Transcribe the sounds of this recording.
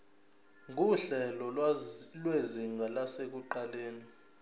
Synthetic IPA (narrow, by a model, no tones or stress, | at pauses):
ŋuɬɛlɔlweziŋɡʱalasek̬uǃaleːni